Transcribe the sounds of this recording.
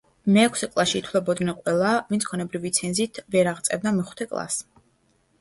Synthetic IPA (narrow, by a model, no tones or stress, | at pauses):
mɛːkʰsɛkʼlˠaʃiːt̪ʰwlɛbɔd̪nɛnqʼwɛlˠavinsʰkʰɔnɛbɾivit̪sʰɛnzit̪ʰvɛɾaʁt̪sʼɛbd̪amiχt̪ʰɛkʼlˠa̰s